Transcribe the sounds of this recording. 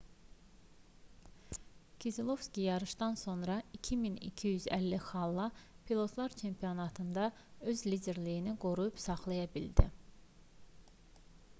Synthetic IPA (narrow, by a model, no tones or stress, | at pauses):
kʰizilˠo̞fscʲijɑɾɯʃd̪ɑnso̞nɾɑicʰiminḭcʰijyzæ̰lːixɑlˠːɑ | pʰilˠo̞t̪ʰlˠɑɾt͡ʃʰe̞mpʰio̞nɑt̪ʰɯnd̪ɑ | ø̞zlid̪e̞ɾlijiniɡoɾujupsɑχlˠɑjɑbild̪ḭ